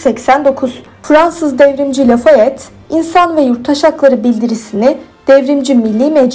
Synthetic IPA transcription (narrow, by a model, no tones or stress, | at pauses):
sɛcsænd̪o̞kʰuz | fɾansɯzd̪ɛvɾimd͡ʒilʲɛfaɛt̪ | insanvɛjuɾt̪ʰːaʃaklˠaɾɯbilʲd̪iɾisinid̪̥ɛvɾimd͡ʒimilʲːiːmɛd͡ʒ